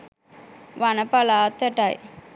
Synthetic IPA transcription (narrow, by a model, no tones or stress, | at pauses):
ʋanɐpalaːt̪ːɐʈaj